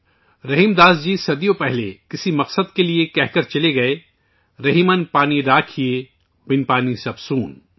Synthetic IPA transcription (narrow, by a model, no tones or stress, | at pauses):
ɾɐɦiːmd̪aːzd͡ʒiːsɐd̪ijopɛɦlḛkɪsimɐqsəd̪keliekɛɦkɐɾt͡ʃɐleɡɐeː | ɾɐɦimənpaːniɾaːkʰije | bɪnpaːnisɐbsuːn